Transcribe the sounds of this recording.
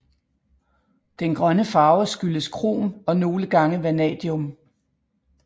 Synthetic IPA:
d̥enɡ̥ʁɶnəfɑ̈ːʊsɡ̥yləskʰʁo̝̰ːmɒ̽no̝ːləɡ̥ɑ̈ŋəʋænɛ̰ːd̥iɔm

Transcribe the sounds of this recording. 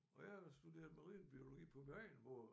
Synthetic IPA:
ɒ̽jɑsd̥ud̥e̝̰ːɐðˠmɑ̈ʁḭːn̩b̥io̝lo̝ɡ̥ḭːpʰɒ̽bænʋɒ

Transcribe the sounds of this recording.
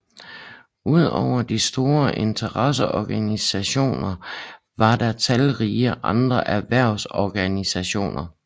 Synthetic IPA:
uð̞̰ˠɒʊ̰ɐd̥isd̥o̝ːɐʔent͡sʰɐʁɑsəʔɒɡ̥ænisæɕo̝̰ːnɐ | ʋɑ̈d̥ɑ̈t͡sʰælʁiːʔɑ̈nd̥ʁɐʔæʋæɐ̰ʊsɒɡ̥ænisæɕo̝̰ːnɐ

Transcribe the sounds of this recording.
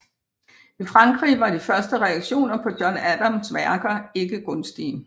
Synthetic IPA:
ifʁɑ̈ŋɡ̥ʁḭːʋɑ̈d̥ifɶɐsd̥əʁɛɑ̈ɡ̥ɕo̝̰ːnɐpʰɒ̽d̥jɒnæd̥ɐmsʋæɐɡ̥ɐe̝ɡ̥əɡ̥ɔ̽nsd̥ḭː

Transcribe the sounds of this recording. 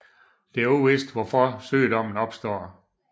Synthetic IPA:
d̥e̝æɐuʋesd̥ʋɒfɒsø̰ːd̥ɒ̽m̰n̩ɒ̽b̥sd̥ɒ̰ː

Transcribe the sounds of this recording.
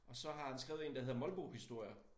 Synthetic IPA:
ʔɒ̽sɒ̽ɦɑ̈dænsɡ̥ʁɛːʊð̩ˠe̝ːnd̥æɦe̝ð̰ˠmɒ̽lb̥oːhisd̥o̝ɐ̰jɐ

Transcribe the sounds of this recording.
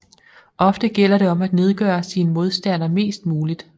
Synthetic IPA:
ʔɒ̽fd̥əɡ̥el̰ɐɾe̝ɒ̽mæd̥ne̝ð̞ˠɡ̥ɶːɐsiːnəmo̝ð̞ˠsd̥æn̰ɐme̝̰ːsd̥muːlid̥

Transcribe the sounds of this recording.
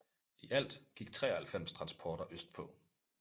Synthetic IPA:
iʔæl̰d̥ɡ̥iɡ̥̚t͡sʰʁɛ̰ːhælfem̰st͡sʰʁɑ̈nspʰɒːɾ̥ɐʔøsd̥̚pʰɔ̽

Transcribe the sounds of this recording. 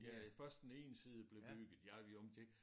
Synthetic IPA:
jæfɶɐsd̥ene̝̰ːnsiːð̞ˠəb̥le̝byɡ̥ð̩ˠjɑʋiɒmde

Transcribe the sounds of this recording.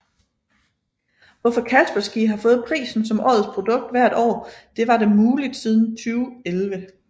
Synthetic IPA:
ʋɒ̽fɒ̽kʰæsb̥ɐsɡ̥iɦɑ̈fɔ̽ːð̩ˠpʰʁḭːsn̩sɒ̽mʔɒ̰ːð̩ˠspʰʁo̝d̥ɔ̽ɡ̥̚d̥ʋæɐ̰d̥ɒ̰ːd̥e̝ʋɑ̈de̝muːlid̥sið̞ˠn̩t͡sʰyːʊelʋə

